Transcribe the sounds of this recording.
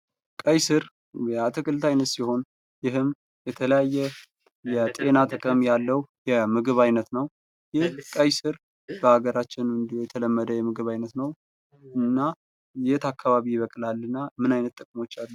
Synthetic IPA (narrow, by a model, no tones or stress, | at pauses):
kʼəjsɨɾ | jɛat̪ʰɨkʰʼɨlt̪ʰajnət̪siho̞n | jɪɦɨm | jɛt̪ʰələjajːɛ | jɛt̪ʼe̞nat̪ʼɨkʼəmjalːəwjɛmɨɡɨβajnət̪nəw | jɪhkʼəjsɨɾ | bəhaɡəɾat͡ʃːɪnɨnd̪ihojɛt̪ʰələmːəd̪əjɛmɨɡɨβajnət̪nəw | ɨnːa | jjɛt̪akʰːaβaβijɪβəkʼlalːɨnːamɨnajnət̪ʼːəkʼmo̞t͡ʃːalːə